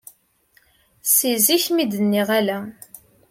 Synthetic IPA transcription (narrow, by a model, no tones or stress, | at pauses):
siziçmid̪ənːiʁælæ